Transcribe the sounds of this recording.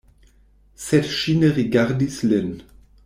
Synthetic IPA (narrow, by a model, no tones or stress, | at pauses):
sɛtʃinəʁiɡaʁdislɛn